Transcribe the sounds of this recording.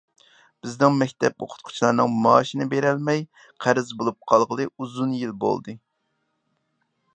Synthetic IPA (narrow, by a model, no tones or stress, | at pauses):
b̥ɪznɪŋmɛkʲt̪ʰɛpo̰qʰʊ̥t̪̚qʰʊ̥t͡ʃʰlˠɑɾnɨŋmɑːʃinɪbeɾɛlmɛj | qʰæɾɪzbolˠup̚qʰɑlˠʁəlˠɨuzunjilbo̰lˠd̪ɨ